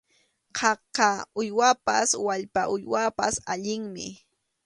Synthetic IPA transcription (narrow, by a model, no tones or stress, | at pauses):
qʰɑqɑʊjwapa̰swaʎpaʔʊjwapa̰saʎɪŋmɪ̰